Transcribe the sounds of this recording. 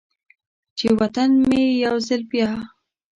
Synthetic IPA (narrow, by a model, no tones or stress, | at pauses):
t͡ʃewat̪anmejawzəlpjɑ